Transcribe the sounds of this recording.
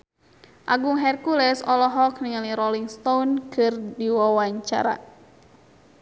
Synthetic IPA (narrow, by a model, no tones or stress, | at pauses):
ʔaɡuŋɦɛrkulɛsɔlɔɦɔkniŋaliɾɔliŋst̪ownkʰɨrdiwawaɲt͡ʃa̰ɾa̰